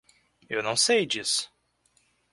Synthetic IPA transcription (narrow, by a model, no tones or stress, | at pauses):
ewnɐ̃w̃sejd͡ʒisʊ̥